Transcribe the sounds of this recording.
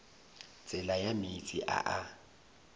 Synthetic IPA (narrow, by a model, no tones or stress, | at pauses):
t͡sʼɪlajamit͡sʼiʔa̰ʔa